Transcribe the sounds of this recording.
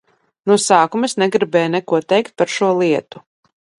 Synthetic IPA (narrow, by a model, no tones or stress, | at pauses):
nusaːkumɨsnɛɡɾibɛːjnɛkuɔt̪ɛjkt̪̚paɾʃuɔlˠiɛt̪u̥